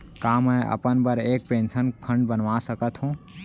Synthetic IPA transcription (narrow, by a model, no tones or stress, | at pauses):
kaːməːʔɐ̰pənbəɾeːk̚pẽːnsənpʰə̃ɳɖbənʋaːsəkət̪ɦũː